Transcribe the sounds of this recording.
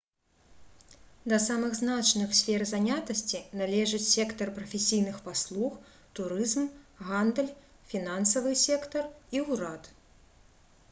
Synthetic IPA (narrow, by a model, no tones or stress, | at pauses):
d̪ɐsamɨɣznat͡ʂnɨxsʲfʲɛrzanʲat̪ɐsʲt͡sʲinalʲɛʐɨt͡sʲsʲɛkt̪ɐrpɾɐfʲesʲijnɨxpaslˠux | t̪uɾɨzmɣand̪lʲ | fʲinansɐvɨsʲɛkt̪ɐriuwɾat̪